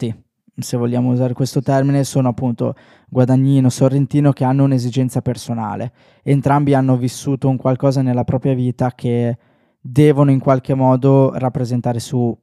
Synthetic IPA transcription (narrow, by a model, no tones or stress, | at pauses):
t̪i | sevoʎjaːmouzaːɾekwest̪ot̪ɛrminesoːnoapːunt̪o̰ | ɡwad̪aɲːiːnosorːent̪iːnok̟eanːounezid͡ʒɛnt̪sapersona̰ːleː | nt̪ɾambianːovisːuːt̪ouŋkwalkɔːzanelːapɾɔːpɾjaviːt̪akʰe | d̪ɛːvonoiŋkwalkemːɔːd̪orapːɾezent̪aːɾesu